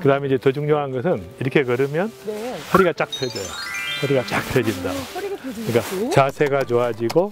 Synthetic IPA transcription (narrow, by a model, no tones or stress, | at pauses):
kɯdaɯmeid͡ʑetod͡ʑuŋɲoɦanɡʌsʰɯniɾʌkʰe̞kʌɾɯmjʌnhʰʌɾiɡat͡ɕ͈ak̚tʰed͡ʑʌjohʌɾiɡat͡ɕ͈ak̚tʰwed͡ʑinda | nik͈at͡ɕasʰe̞ɡat͡ɕoad͡ʑiɡo